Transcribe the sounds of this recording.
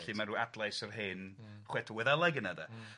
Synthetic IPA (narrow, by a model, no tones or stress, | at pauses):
ɬimaɾuadlˠajsərɦeːnχwɛtʰuwɛðalˠaɡənada